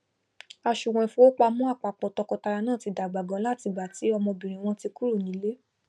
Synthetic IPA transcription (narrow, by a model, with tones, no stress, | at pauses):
a˧ʃu˨w̃ɛ̃˧˨fũ˦o˦k͡pa˧mũ˦a˦˨k͡pa˨k͡pɔ˨tɔ˧kɔ˧ta˧ɾa˧nãː˦˨ti˧da˨ɡ͡ba˨ɡɔ̃˧˦la˦˨ti˧ɡ͡ba˨ti˨˦ɔ˧mɔ̃˧bĩ˨ɾ̃ĩ˨w̃ɔ̃˧ti˧ku˦ɾo˦˨nĩ˨˦le˦